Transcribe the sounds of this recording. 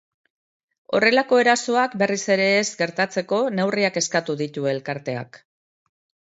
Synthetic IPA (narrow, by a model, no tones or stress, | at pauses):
o̞̰re̞lako̞e̞ɾaso̞akbe̞rise̞ɾe̞ːzɡe̞ɾt̪at͡se̞ko̞ne̞wriake̞skat̪uðit̪ue̞lkaɾt̪e̞a̰k